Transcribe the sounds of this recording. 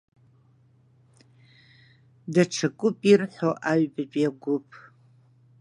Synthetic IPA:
dɐʈ͡ʂʰɐkʷʼʊpʼirħoʔaɥbɨt͡ʃʼjaɡʷʊpʼʰ

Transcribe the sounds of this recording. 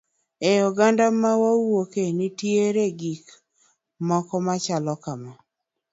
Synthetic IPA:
eɔɡandamawawokenɪtjeɾeɡik | mɔkɔmat͡ʃalɔkama

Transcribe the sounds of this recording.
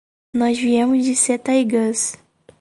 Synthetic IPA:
nɔzviẽmʊzd͡ʒɪset̪ɐjɡɐs

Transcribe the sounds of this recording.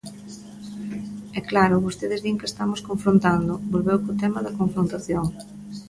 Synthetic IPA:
ɛklaɾʊβost̪eðɪzðiŋkest̪amoskoɱfɾont̪and̪ʊbolβewkot̪ɛmɐðɐkoɱfɾont̪aθjoŋ

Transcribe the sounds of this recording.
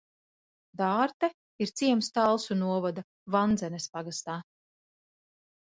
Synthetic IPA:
d̪aːɾt̪ɛ | iɾt̪siɛmst̪alˠsunuɔvad̪a | vand̪zɛnespaɡast̪aː

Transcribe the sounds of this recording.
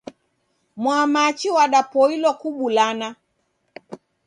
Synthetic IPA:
mwamat͡ʃiwaɗapɔilɔkuɓulana

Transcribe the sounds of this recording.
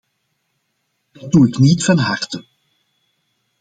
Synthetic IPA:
d̥ɑduɪknitfɑnɦartə

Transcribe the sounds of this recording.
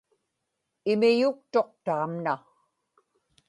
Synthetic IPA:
ɪmɪjʊk̚t̪o̞q̚t̪aːmna

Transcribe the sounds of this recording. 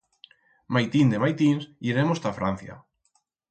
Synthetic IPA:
majt̪ind̪emajt̪insiɾemost̪afɾan̟θja̰

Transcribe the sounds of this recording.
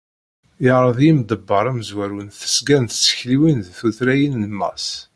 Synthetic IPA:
jəʕɾˤəðˤjimd̪əbːəɾˤæməzwæɾunθə̥sɡænθə̥t͡sːə̥çliwinðθuθɾæjənləmːæ̰s

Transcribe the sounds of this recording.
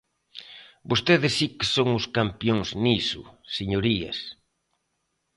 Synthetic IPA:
bost̪eðɪsːikɪ̥soŋʊskampjoŋsnisʊ̰seɲoɾiɐ̰s

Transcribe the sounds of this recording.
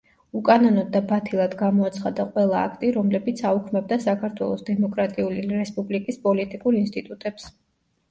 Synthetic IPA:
ukʼanɔnɔd̪ːabat̪ʰilˠad̪ɡamɔat̪sʰχad̪aqʼwɛlˠa̰ːkʰt̪ʼiɾɔmlɛbit̪sʰaukʰmɛb̚d̪asakʰaɾt̪ʰwɛ̰lˠɔsd̪ɛmɔkʼɾat̪ʼiuliɾɛspʼublikʼispʼɔlit̪ʼikʼuɾinst̪ʼit̪ʼut̪ʼɛps

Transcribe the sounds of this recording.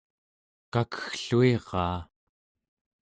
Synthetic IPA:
kakə̥xɬueʁɑː

